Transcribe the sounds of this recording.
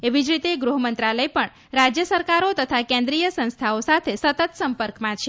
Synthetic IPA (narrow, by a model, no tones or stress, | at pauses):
eʋid͡ʒɾit̪eɡɾuɦəmənt̪ɾaləjpəɳ | ɾad͡ʒjəsəɾkaɾot̪ət̪ʰakẽnd̪ɾijəsə̃nst̪ʰaosat̪ʰesət̪ət̪səmpəɾkmãt͡ʃʰe